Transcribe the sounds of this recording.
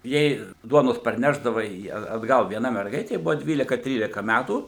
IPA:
ˈjɛɪ ˈduɔnoːs pɐrʲˈnʲæːʒdɐʋɐ ɪ ɐt ɐdˈɡɐlˠ ʋʲiɛˈnɐ mʲɛrˈɡɐɪtʲeː ˈbʊʋoː ˈdʲʋʲiːlʲɪkɐ ˈtʲrʲiːlʲɪkɐ ˈmʲætuː

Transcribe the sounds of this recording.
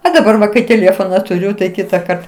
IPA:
oː dɐˈbɐr ʋɐ kɐɪ tʲeːˈlʲeːfoːnɐ tʊˈrʲʊ tɐɪ ˈkʲɪtɐkɐrt

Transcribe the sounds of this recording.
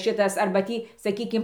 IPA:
ˈʃʲɪtɐs ˈɐrbɐ ˈtʲiː sɐˈkʲiːkʲɪm

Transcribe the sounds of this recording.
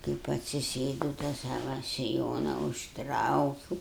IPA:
kɐɪp ɐtʲsʲɪˈsʲeːdɐʊ tɑː ˈsɑːʋɐ sʲɪˈjoːnɐ ʊʃˈtrɐʊkʲuːʊ

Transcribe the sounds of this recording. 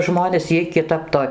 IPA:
ˈʒmoːnʲeːs ˈjiɛj kʲɪˈtɐp toː

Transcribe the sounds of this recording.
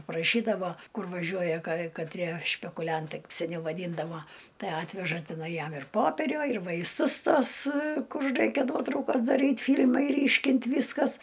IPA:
prɐˈʃʲiːdɐʋoː ˈkʊr ʋɐˈʒʲuɔjɛ kɐɪ kɐˈtʲrʲiɛ ʃʲpʲɛkʊˈlʲɛntɐɪ sʲɛˈnʲɛʊ ʋɐˈdʲiːndɐʋoː ˈtɐɪ ˈɑːtʲʋʲɛʒɐ tʲɪˈnɐɪ ˈjɛm ɪr poːˈpʲæːrʲoː ɪr ʋɐɪsˈtʊs ˈtoːs ˈkʊr ˈrɐɪkʲɛ ˈnuɔtrɐʊkɐs dɐˈrʲiːt ˈfʲiːlʲmɐɪ ˈrʲiːʃʲkʲɪnt ˈʋʲiːskɐs

